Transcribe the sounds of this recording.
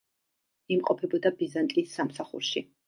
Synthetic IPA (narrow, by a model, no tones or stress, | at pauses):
imqʼɔpʰɛbɔd̪abizant̪ʼisːamsaχṵɾʃi